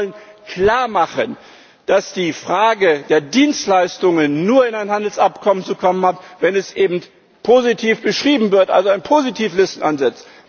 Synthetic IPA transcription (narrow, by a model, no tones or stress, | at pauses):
lənkl̥aːɐmaχən | d̥asd̥iːfʁ̥aːɡədeːɐdiːnstlaɪstʊŋənːuːɐɪnaɪnhandl̩sapkʰɔmənt͡sukʰɔmənhatvɛnɛsʔeːbm̩t | pʰoːzitʰiːfb̥əʃʁ̥iːbm̩vɪɐtʔa̰lzoaɪnpʰozitʰiːflɪstn̩ʔanzɛt͡st